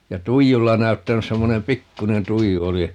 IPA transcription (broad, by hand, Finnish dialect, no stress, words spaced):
jɑ tuijulːɑ næy̞tːænys semːonem pikːunen tuiju oli